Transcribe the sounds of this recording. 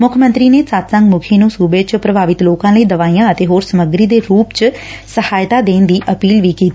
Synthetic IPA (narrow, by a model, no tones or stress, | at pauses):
mʊkʰmə̃nt̪ɾiːneːsaːt̪səŋɡmʊkʰeːnũːsuːbeːt͡ʃpɾəbʱaːʋɪt̪loːkãːləiːd̪əʋaːiːãːət̪eːɦoːɾsəməɡɾiːd̪eːɾuːpt͡ʃ | səhaːjt̪aːd̪eːnd̪iːʔəpiːlʋiːkiːt̪i